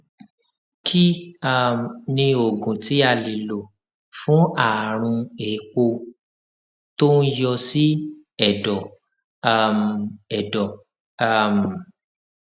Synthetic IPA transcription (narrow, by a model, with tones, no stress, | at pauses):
kʰi˦a˦˨m˨nĩ˧o˨ɡũ˨ti˨˦a˦˨li˨lo˨ | fũ˨˦a˨ɾ̃ũ˧e˨˦k͡po˧ | to˦n̩˦jɔ˧si˦ | ɛ˦˨dɔ˨ | a˦˨mɛ˨dɔ˨˦˨ | m